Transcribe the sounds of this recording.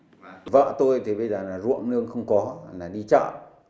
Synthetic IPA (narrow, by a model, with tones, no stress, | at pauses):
və̰ː˧˨t̪o˧jt̪ʰi˨˩ɓə˧jzəː˨˩laː˨˩zṵ˧˨əŋnɨ˧əŋxə˧wŋ͡mkɔ˨˦laː˨˩ɗi˧t͡ɕa̰ː˧˨ʔ